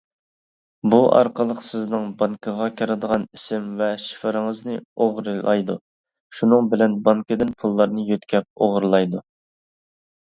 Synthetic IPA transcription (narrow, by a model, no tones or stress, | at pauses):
buʔɑ̰ɾqʰəlˠəqsɪznɨŋbɑŋkʰəʁɑkʲʰɑɾɨd̪əʁɑnisɪmvɛʃi̥fəɾɨŋɨznɨoʁɾɨlˠɑjd̪u | ʃunɨŋbɪlɛnbɑŋkʲɪd̪ɪnpʰulˠːɑɾnɨjøt̪kʲɛp̚oʁɾlˠɑjd̪u